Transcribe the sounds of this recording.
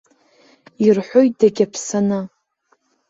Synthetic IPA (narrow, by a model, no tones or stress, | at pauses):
irħʷojt̚d̥aɡʲapʰsana